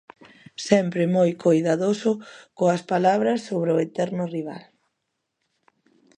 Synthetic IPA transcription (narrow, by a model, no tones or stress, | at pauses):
sɛmpɾɪmojkʰojðaðosʊkoɐspalaβɾɐsːoβɾeʊet̪ɛɾnʊriβ̞a̰l